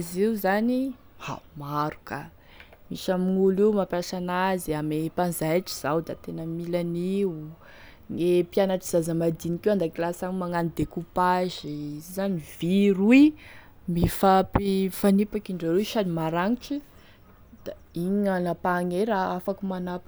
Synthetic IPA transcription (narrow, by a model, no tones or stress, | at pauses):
ziuzani | a̰maɾu̥ka | miʃamiŋuliwmapjasanaziamepanzajʈ͡ʂi̥z̥awd̪at̪enəmilani | ŋepianaʈ͡ʂiz̥azamad̪inikewand̪akilasaŋmaŋanid̪ekupaʒizizaniviɾui | mifapifanipakiɳɖ͡ʐaɾuʃanimaɾaŋiʈ͡ʂi | d̪̥a | iɲanapaŋeɾaafakumanap